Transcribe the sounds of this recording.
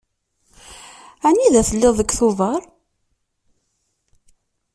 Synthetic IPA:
æniðæθəlːɪðˤəkːθoðˤɑɾˤ

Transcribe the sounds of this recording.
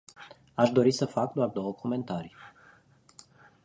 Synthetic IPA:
aʃd̪o̞ɾisəfak̚d̪oard̪o̞wəkʰome̞nt̪aɾi

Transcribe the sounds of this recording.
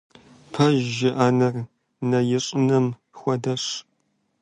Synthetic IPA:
pʰɐʒːɪʔaːnɐr | nɐjɪɕʼɪnɐm | xʷɔdɐɕ

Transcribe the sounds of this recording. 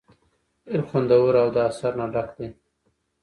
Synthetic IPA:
ɪɾxwand̪awəɾawd̪əasaɾnaɖakd̪e

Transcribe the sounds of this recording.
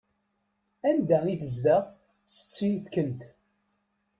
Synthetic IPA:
ænd̪æiθəzd̪æ | sə̥t͡sːinθkənt̪

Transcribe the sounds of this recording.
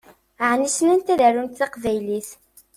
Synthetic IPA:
ʕnisnænt̪æðæɾunt̪θɑqvæjliθ

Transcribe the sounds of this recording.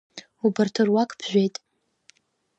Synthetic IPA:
ubartʰɨrwakʰʼb̥ʰʒᶣʷejtʼ

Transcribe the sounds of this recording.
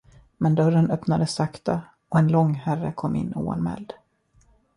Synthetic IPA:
mɛnd̪œɾənœpnad̪əsakt̪a | ɔɛnlɔŋːhærəkʰɔmːɪ̰nːuːa̰nmɛ̰ːld̪̥

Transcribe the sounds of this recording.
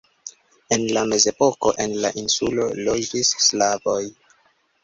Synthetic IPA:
e̞nlame̞ze̞po̞ko̞ʔe̞nla̰ʔinsulo̞lo̞d͡ʒisːlavo̞j

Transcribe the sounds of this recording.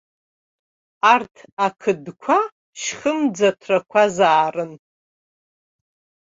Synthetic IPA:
artʰakʰɨdkʷʰa | ʃχəmd͡zatʰrakʷʰazaːrɨn

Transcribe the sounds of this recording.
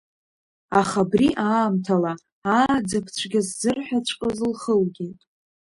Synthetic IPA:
aχabriʔaːmtʰala | aːd͡zapʰt͡ɕʷʰɡʲazzɨrħʷᶣat͡ɕʷʰʼqʼozlχəlɡʲetʼ

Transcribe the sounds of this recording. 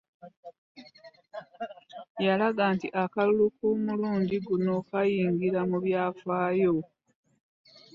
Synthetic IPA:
jalaɡaːntiʔakalulukumuluːnɟiɡuno̞kajiːŋɡiɾamuβjaːfaːjo̞

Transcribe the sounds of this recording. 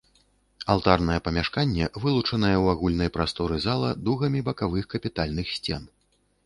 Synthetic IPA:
alˠt̪arnɐjɛpɐmʲaʂkanʲːɛvɨlˠut͡ʂɐnɐjɛwaɣulʲnɐjpɾast̪ɔɾɨzalˠɐd̪uɣɐmʲibɐkavɨxkɐpʲit̪alʲnɨxsʲt͡sʲɛn

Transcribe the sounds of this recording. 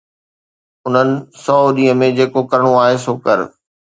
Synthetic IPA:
ʊn̤ənɪ̆sɔːɗiːə̃mẽd͡ʑeːkokɐɾɪɽ̃oaːɦesoːkɐɾ̰

